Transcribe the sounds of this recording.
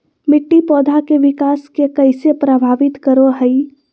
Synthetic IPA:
mɪʈːipɔːd̪ʱakeʋɪkaːskekɐɪsepɾəbʱaːʋɪt̪kəɾoɦəi

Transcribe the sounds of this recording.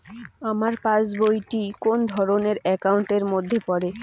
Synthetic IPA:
amaɾpãsbojʈikond̪ʱɔɾoneɾɛkawɳʈeɾmod̪ʱːepɔɾe

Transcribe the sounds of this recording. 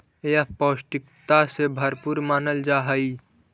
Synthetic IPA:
japəsʈikt̪asebʱəɾpuɾmaːnəld͡ʒaɦəi

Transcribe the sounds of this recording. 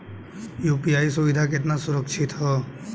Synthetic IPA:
juːpiaːisʊʋɪd̪ʱak̬ɪt̪nasʊɾəkʃʰɪt̪ɦɔ

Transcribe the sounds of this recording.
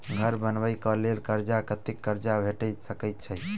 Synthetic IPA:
ɡʱəɾbənʋəjkəlelkəɾd͡ʒakət̪ikːəɾd͡ʒabʱeʈəjt̪səkəjt̪̚t͡ʃʰəj

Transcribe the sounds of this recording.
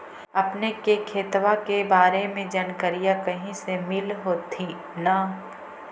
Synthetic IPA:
ɐpnekekʰeːt̪ʋakebaːɾemẽd͡ʒɐnkəɾijakɐɦĩsemɪlɦoːt̪ʰi | na

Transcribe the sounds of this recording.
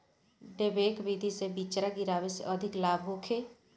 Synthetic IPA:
ɖebeːkbiːd̪ʱisebiːt͡ʃɾaɡiɾaːʋesḛʔəd̪ʱɪklaːbɦoːkʰeː

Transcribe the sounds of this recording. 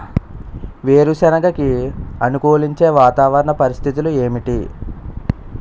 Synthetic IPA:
ʋeːɾusɛnɐɡɐkiɐnukoːliɲt͡ʃe̞ːʋaːt̪aːʋɐɾɐɳɐpɐɾist̪ʰit̪̬ulueːmiʈi

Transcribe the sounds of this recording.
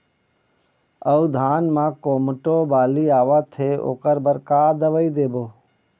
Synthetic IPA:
əud̪ʱaːnmãːkoːməʈoːbaːliːaːʋat̪ʰeːo̰ːkəɾbəɾkaːd̪əʋəid̪eːboː

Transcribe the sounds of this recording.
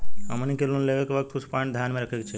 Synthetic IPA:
ə̰mənikelunleʋekʋək̚t̪ʰkuspaɳd̪ʱjanmẽɾəkʰeɡt͡ʃʰe

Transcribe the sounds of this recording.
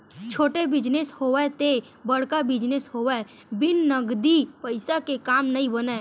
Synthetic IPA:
t͡ʃʰoːʈebɪd͡ʒneshoːʋɛt̪e | bəɽ̤kabɪd͡ʒnesɦoːʋɛ | bɪnːəɡd̪ipəɪsakekaːmnəĩbəne

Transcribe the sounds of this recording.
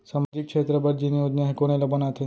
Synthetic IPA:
saːmad͡ʒɪkʃʰeːt̪ɾəpɐɾd͡ʒinijod͡ʒnaɦkoɽ̃elɐbɐnat̪ʰe

